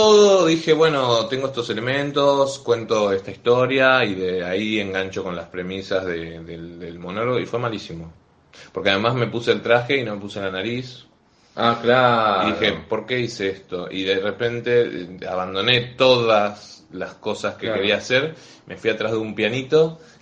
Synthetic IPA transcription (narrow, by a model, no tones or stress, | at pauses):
t̪oðoðixe̞βwe̞no̞t̪eŋɡoest̪ose̞le̞mẽ̞nt̪o̞skwe̞nt̪o̞est̪aist̪o̞ɾjaiðeaieŋɡant͡ʃo̞ko̞nlaspɾe̞misazðeðeld̪elmo̞noɾoifwemalisimo̞ | poɾkeað̞e̞mazme̞puseːlt̪ɾaxe̞ino̞me̞puselanaɾis | aklaiðixepo̞ɾke̞iseest̪o̞ʔḭðerepe̞nt̪e̞̰a̰βand̪o̞ne̞t̪o̞ðas | lasko̞saskekkeɾiaːseɾ | me̞fwiat̪ɾazðeumpjanit̪o̞